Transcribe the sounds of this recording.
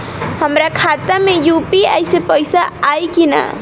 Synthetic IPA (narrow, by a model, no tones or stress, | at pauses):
həmɾakʰat̪əmejupiəɪsepəɪsaːjkinə̰